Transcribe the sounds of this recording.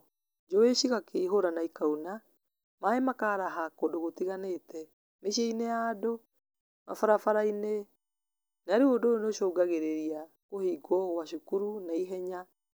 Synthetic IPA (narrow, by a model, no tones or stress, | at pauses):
d͡ʒɔeʃiɣakeiɦoɾanaikauna | maemakaːɾaɦakodoɣotiɣanetɛ | meʃeineado | ma̰faɾafaɾaine | naɾeodonoʃoːɡaɣeɾeɾia | kohiːɡɔɣwaʃukuɾunaiɦɛɲa